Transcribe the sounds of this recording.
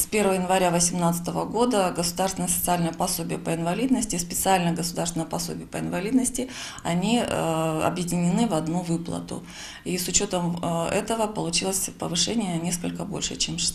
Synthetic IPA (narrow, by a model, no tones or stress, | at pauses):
spʲe̞rvəvəjɪnvɐɾʲavəsʲɪmnat̪sɨ̥t̪əvəɡo̞d̪əɡəsʊd̪arsʲɪnjəsət̪sɨalʲnəjəpɐso̞bʲɪjəpəɪnvɐlʲid̪nəsʲtʲɪspʲɪt̪sɨalʲnəjəɡəsʊd̪aɾrsʲɪnəjəpɐso̞̰bʲɪjəpəɪnvɐlʲid̪nəsʲtʲɪ | ɐnʲi | ɐ̰bjɪdʲɪnʲɪnɨvɐd̪nuvɨplˠə̰t̪ʊ̰ | isʊt͡ɕo̞t̪əmɛt̪əvəpəlˠʊt͡ɕilˠəsʲpə̰vɨʂɛnʲɪjənʲe̞skəlʲkəbo̞̰lʲʂɨ̰t͡ɕemʂ